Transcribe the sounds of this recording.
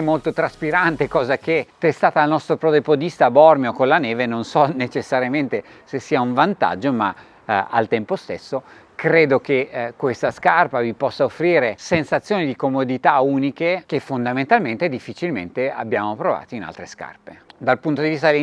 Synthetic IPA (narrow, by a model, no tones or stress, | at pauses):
ɛmːolt̪ot̪ɾaspiɾant̪ekɔːzak̟et̪ːest̪aːt̪aːlnɔst̪ɾopɾɔːd̪epod̪ist̪abɔrmjokonlaneːvenonsɔnet͡ʃesːaɾjament̪e | sesːiːauɱvant̪a̰d͡ʒːoma̰ | a̰lt̪ɛmpost̪esːo | kɾeːd̪ok̟ekwest̪askarpavipɔsːaofːɾiːɾesensat̪sːjoːnid̪ikomod̪it̪auːnikek̟efːond̪amẽnt̪alment̪ed̪ifːit͡ʃilmḛnt̪ea̰bːjaːmopɾova̰ːt̪oina̰lt̪ɾeska̰rped̪alpunt̪od̪ivist̪ad̪e